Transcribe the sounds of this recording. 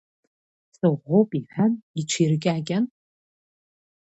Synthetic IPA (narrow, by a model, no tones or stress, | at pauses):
sʼɨʁʷopʼiħanit͡ʃʷʰirɨkʲʼaːɡʲʼan